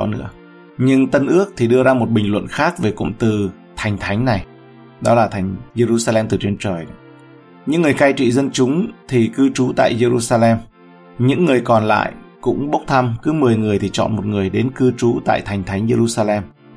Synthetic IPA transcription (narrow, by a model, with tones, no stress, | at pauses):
nɨ̰˧˥ə | ɲɨ˧ŋt̪ə˧nʔɨ˦˥ək̚t̪ʰi˨˩ɗɨ˧əzaː˧mo˨˩t̚ɓï˨˩ŋlwə̰˧˨nxaː˦˥k̚ve˨˩kʊ̰˧˨ŋ͡mt̪ɨ˨˩ | t̪ʰa˨˩jŋ̟t̪ʰa˨˦jŋ̟na˨˩j | ɗɔ˨˦laː˨˩t̪ʰa˨˩jŋ̟ze˧zu˧saː˧lɛ˧mt̪ɨ˨˩t͡ɕe˧nt͡ɕəː˨˩j | ɲɨ̰˧˥ŋːɨ˨˩əjkaː˧jt͡ɕḭ˧˨zə˧nt͡ɕʊ˨˦ŋ͡mt̪ʰi˨˩kɨ˧t͡ɕu˨˦t̪a̰ː˧˨jze˧zu˧saː˧lɛ˧m | ɲɨ̰˧˥ŋːɨ˨˩əjkɔ˨˩nla̰ː˧˨jkʊ̰˧˥ŋ͡mɓə˦˥k͡p̚t̪ʰa˧mkɨ˨˦mɨ˨˩əjŋɨ˨˩əjt̪ʰi˨˩t͡ɕɔ̰˧˨nmo˨˩t̚ŋɨ˨˩əjɗe˨˦nkɨ˧t͡ɕu˨˦t̪a̰ː˧˨jt̪ʰa˨˩jŋ̟t̪ʰa˨˦ŋze˧ɾu˧saː˧lɛ˧m